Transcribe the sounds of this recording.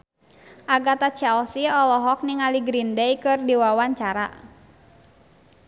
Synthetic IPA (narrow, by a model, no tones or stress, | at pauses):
ʔaɡat̪at͡ʃɛlsiɔlɔɦɔk̚niŋaliɡɾindɛjkɨrdiwawaɲt͡ʃaɾa̰